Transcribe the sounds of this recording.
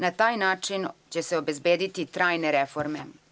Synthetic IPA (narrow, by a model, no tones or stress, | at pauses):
nat̪aːjnaːt͡ʃint͡ɕɛsɛobezbeːd̪it̪it̪ɾaːjneɾefoɾme